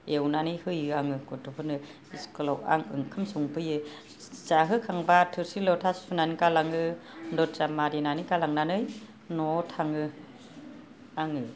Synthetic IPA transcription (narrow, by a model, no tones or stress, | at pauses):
ewnanɯjhɯjɯaŋɯkɔtʰɔpʰɯnɯ | iskɯlawa̰ŋɯ̰ŋkʰɯmsuŋpʰɯjɯ | zaɦɯkʰaŋbatʰɯɾsilɔwtʰassunanikalaŋɯndɔt̚t͡ʃamaɾinanikalaŋnanɯj | nɔtʰaŋɯ | aŋɯ